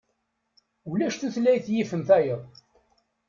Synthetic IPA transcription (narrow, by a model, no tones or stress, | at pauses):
ulæʃθuθlæjθjifəmθæjəðˤ